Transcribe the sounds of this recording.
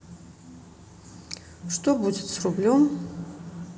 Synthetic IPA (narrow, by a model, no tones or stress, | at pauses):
ʂt̪obudɪt̪srublʲom